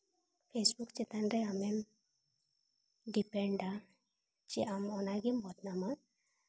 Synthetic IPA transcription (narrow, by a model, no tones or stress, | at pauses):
pʰesbukt͡ʃit̪anɾeamem | ɖipeɳɖa | t͡ʃiʔamɔnaɡimbʱɔt̪nama